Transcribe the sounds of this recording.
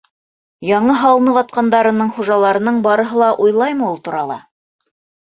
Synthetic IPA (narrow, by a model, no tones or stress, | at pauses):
jɑɴɤɦɑlˠnɤβɑt̪̚qɑnd̪ɑɾɤ̆nɤɴχuʒɑlˠɑɾɤ̆nɤɴbɑɾɤ̆ɦɤlˠɑʔujlˠɑjmɤulˠt̪uɾɑlˠɑ̰